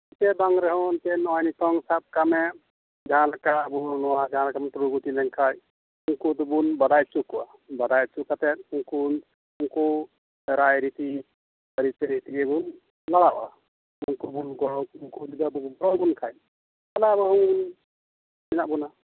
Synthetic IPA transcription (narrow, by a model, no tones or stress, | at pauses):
it̪ɛbaŋɾɛɦɔnt̪ɛnɔjnit̪ɔŋsab̚kamɛ | d͡ʒaɦãlakabuɦnɔwad͡ʒaɦãlakamɔʈ̪ɾuɡutilɛŋkʰaj | uŋkud̪ubunbad̪ajt͡ʃukuʔa | bad̪ajt͡ʃukat̪ɛt̪̚uŋkun | uŋku | ɾajɾit̪i | əɾit͡ʃɛɾit̪iɡɛbun | laɽaʔa̰ | unkubunɡɔɽɔk̚uŋkulid̪abɔbɡɔɾɔbunkʰaj | alabɔɦɔŋbun | minaʔbuna